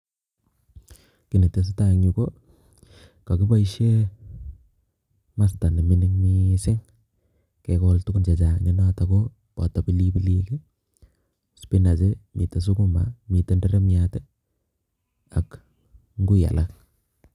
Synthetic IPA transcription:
kɪ˨ne˨te˨s̬ita˦˨ɲu˨ko˦ | ka˨ki˦pa˦i˦ʃe˦ | ma˦sta˨ni˨mɪ˦nɪ˦ŋmi˦sɪ˦ŋ | ke˨kɔltu˦ku˦nt͡ʃe˨t͡ʃa˨ɲɔ˦na˦ta˨ko | pɔ̰˨ta˨pi˦li˦pi˦li˦ki˦ | spi˦na˨t͡ʃemḭ˨te˨s̬u˦ku˦ma̰˨mi˨te˦ndɛ˦ɾe˦miate˦ | a̰˨k | ŋɡu˦ja̰˨lʔa˦k̚

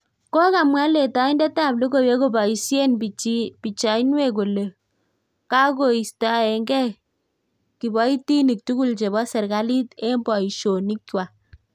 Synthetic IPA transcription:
ko˦ka˨mwa˦le˨ta˨˦i˦ndɛ˦ta˦˨blo˦ko˦˨we˦ko˦˨ba˨i˨sje˦npi˨t͡ʃa˨i˦nwe˦˨k̬o˨le˨ | ka˦ko˨i˨sta˨ɛ˨ŋɡɛ˦ | ki˨bɔ˦i˦ti˦ni˨k̚tu˦ku˦˨lt͡ʃe˨bɔ˦sɛ˨ɾka˦li˦te˦mbɔ˨i˨ʃo˨ni˦kːwa˨

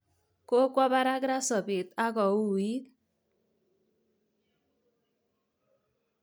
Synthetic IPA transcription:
ko˦kwa˦ba˦ɾa˦ɡɾa˦sʌ˨be˨t̪a˦ɡɔ˨wu˨i˦

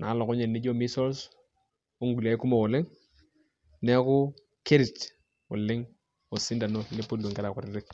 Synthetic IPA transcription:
nʔaː˨˦lɔ˨kɔ˦ɲɛ˨nnɪ˦d͡ʒo˦mi˦sɔ˦ls | o˦ŋɡu˨la˨˦ɪ˦ku˦mɔ˦˨wʊ˨lɪ˦ŋ | nɛ˦kʊ˦ | ke˦ɾɪ˨t͡ʃ | ʊ˨lɪ˦ŋ | o˨sɪ˦nda˨no˦ne˦po˦lo˨ŋkɛ˦ɾa˨kʊ˨ɾɪ˦ɾɪ˦k̚

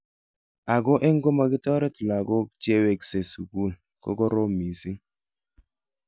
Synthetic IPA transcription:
a˨ɡo˦ʔe˦ŋ̩˦ɡo˦ma˨ɡi˦tɔ˦ɾe˦tla˨ɡo˦d͡ʒe˦we˨kse˨su˨ɡu˦˨l | kɔ̰˦ɡɔ˦ɾo˦mi˨si˦ŋ

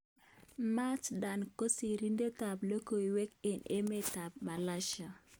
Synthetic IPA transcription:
ma˦t͡ʃda˨nko˦si˨ɾi˦nde˦ta˨blo˦ko˨i˨wɛ˦ke˨ne˦me˦˨ta˨b̚ma˨la˦ʃa˨

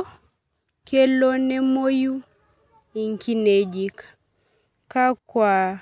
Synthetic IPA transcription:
ke˦lo˦nɛ˦mo˦ju˦ | i˨ŋki˦ned͡ʒi˨k | ka˦kwa

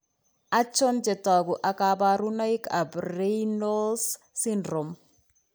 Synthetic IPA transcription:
a˦t͡ʃɔ˦nd͡ʒɛ˨ta˨ɡu˨ʔa˨kaba˦ɾu˦na˦ika˨bɾenɔ˦ls | si˦ndɾɔ˨m

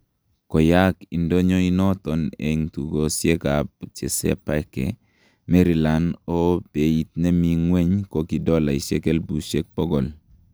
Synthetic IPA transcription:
kɔ˨ja˦ki˨ndo˦ɲo˦i˦nɔ˦tɔ˨nḛ˨ŋtu˨ɡo˨sje˦ka˨p̚t͡ʃḛ˨sɛ̰˦pa˦kɛ̰˨ | me˦ɾi˨la˨no˦pe˨i˦t̪̚nɛ˦mi˨ŋwe˦ɲko˦ki˨dɔ˦la˨i˨ʃe˦ke˦lbu˨ʃe˦k̚pɔ˦ɡɔ˨l

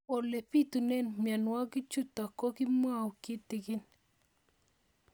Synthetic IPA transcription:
ɔ˨le˨pi˦t̪u˨nɛ˦nmja˨nwa˦kɪ˦t͡ʃʊ˦t̪a˨ko˦kɪ˦mwa˦˨wkɪ˦t̪ɪ˨kɪ˦n

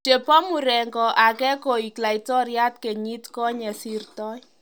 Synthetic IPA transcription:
te˨pɔ˦mu˨ɾɛ˨ŋɡɔ˨ʔa˨kɛ˦ko˨i˨kla˨itɔ˦ɾja˦t̚ke˨ɲi˦tkɔ˦ɲɛ˨si˦rtɔ˦j

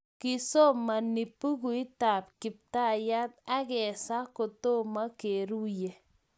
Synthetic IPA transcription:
ki˨so˦ma˨ni˨pːu˦k̬u˨ɪ˦ta˨pkɪ˨p̚ta˦ja˦t̪a˦kɛ˨sa˦ko˨to˦ma˦ke˨ɾu˦jɛ˨

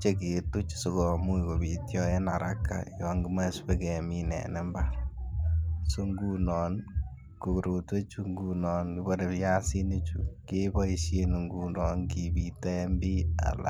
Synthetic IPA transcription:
t͡ʃeke˨tu˦t͡ʃso˨kɔ˨mu˦iko˨bi˨tjɔ˦e˦na˨ɾa̰kːa̰jɔŋɡi˦ma˦spekɛ˨minɛ̰˨nɛ˦mba | so˦ŋɡunɔ˨n | ko˨kuɾo˨te˦t͡ʃu˦ŋɡunɔ˨nkibɔɾe˨pja˦si˦ne˦t͡ʃukeba˦iʃje˦nu˨ŋɡu˦nɔ˨nkibitɛ˦mbi˦a̰˨la̰˨

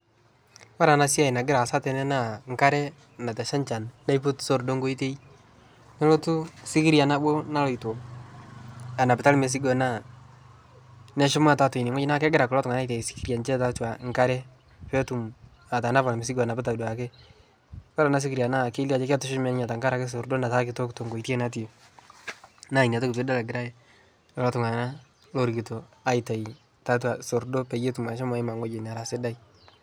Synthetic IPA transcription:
wa˦ɾa˨na˨˦sja˨jna˨ɡɪ˦ɾa˨sa˦tɛ˨nɛ˦na˦˨ŋka˦ɾɛ˦ | na˨tɛ˨ʃa˦nt͡ʃa˨nda˦jpʊ˦tso˦˨ɾdo˦ŋɡo˦i˦te˦i˦ | ne˦lo˦tʊ˦sɪ˦ki˦ɾja˨na˦bo˦na˦lɔ˨i˨to˨ | a˨na˨pɪ˨ta˦lme˨s̬i˦ɡo˨na˦˨ | nɛ˦ʃɪ˦mʊ˦a˨ta˦tʊ˨i˨nɪ˨ŋwa˦ɪ˦na˦kɛ˦ɡɪ˦ɾa˨kʊ˨lɔ˦tŋa˨na˦jtɛ˨sɪ̥˦ki˨ɾja˨nt͡ʃɛ˦ta˦twa˨ŋka˦ɾɛ˦ | pɛ˦tu˨m | a˨ta˨na˦pa˨lmɪ˨si˦ɡa˨na˨bɪ˦ta˨dwa˨ke˦ | kɔ˦ɾa˨na˨˦s̬i˦ki˨ɾja˨na˦ke˦li˦a˨t͡ʃe˦ka˦tʊ˦ʃʊ˦mɛ˦nɲa˨ta˨ŋɡa˦ɾa˦ke˦s̬o˨ɾdo˦na˨ta˦kɪ˨to˦kto˨ŋɡo˨i˨te˦na˦t̬i˦e˨ | na˦˨i˨na˨to˦kit̬we˦da˦lɛ˨ɡɪ˨ɾa˦je˦ | ɔ˨lɔ˦tʊ˨ŋa˨na˦ | lo˨ɾɡi˨to˨a˨ɪ˨ta˨i˨ | ta˦twa˨so˨ɾdo˦pɛ˨je˦tu˨ma˨ʃɔ˦m˦a˦ɪ˦ma˨ŋo˦d͡ʒe˨na˨ɾa˨sɪ˦da˦i˦

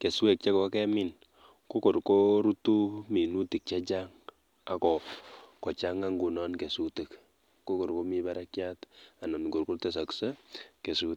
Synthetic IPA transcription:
ke˨swe˨k̚t͡ʃɛ˦kɔ˨˦kɛ˦mɪ˦n | ko˦ko˨ɾko˦ɾu˦tu˦mi˨nu˦ti˨k̚t͡ʃɛ˦t͡ʃa˦ŋ | a˨kɔ˨kɔ˨t͡ʃa˦ŋa˦ŋɡu˨nɔ˦nke˨su˦ti˨k | ko˦ko˨ɾko˦mi˦ba˦ɾa˦kja˦ta˨nɔ˨mi˨ko˨ɾku˦rtɛ˦s̬a˨ku̥se˦ke˨su˦t

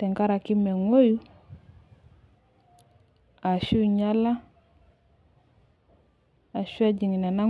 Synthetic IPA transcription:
tɛ˨ŋka˦ɾa˨ki˦mɛ˨ŋwo˦ju˦ | a˨ʃu˦ɲa˦la˦ | a˨ʃu˦a˦ɟi˨ŋi˨na˨na˦

